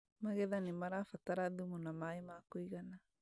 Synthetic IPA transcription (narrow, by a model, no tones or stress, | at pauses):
maɣɛðanimaɾafataɾaðumunamaemakoiɣana